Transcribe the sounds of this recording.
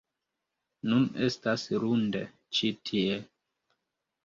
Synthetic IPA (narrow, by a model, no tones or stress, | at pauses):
nune̞stasɾundḛ | t͡ʃitʰie